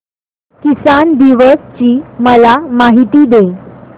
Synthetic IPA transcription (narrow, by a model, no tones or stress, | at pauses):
kisand̪iʋəst͡ɕiːməlamaɦit̪iːd̪e